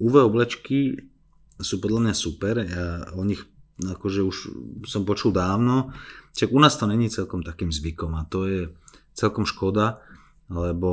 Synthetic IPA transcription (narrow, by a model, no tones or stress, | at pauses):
uʋɛɔblɛt͡ʃki | suːpɔd̪lamɲasupɛɾjaɔɲixakɔʒɛuʃsɔmpɔt͡ʃuld̪aːʊnɔʃaɡunaːst̪ɔɲɛɲiːt͡sɛlkɔmt̪akiːmzʋikɔmat̪ɔjɛt͡sɛlkɔmʃkɔd̪a | lɛbɔ